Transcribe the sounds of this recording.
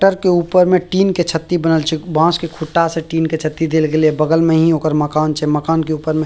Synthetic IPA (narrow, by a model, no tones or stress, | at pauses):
ʈəɾkeuːpəɾmẽʈiːnket͡ʃʰət̪ːibənəlt͡ʃʰibãːskekʰuʈːasẽʈiːnket͡ʃʰət̪ːid̪eːlɡelebəɡəlmẽɦiɦoːkəɾməkaːnt͡ʃʰɛməkaːnkeuːpəɾmẽ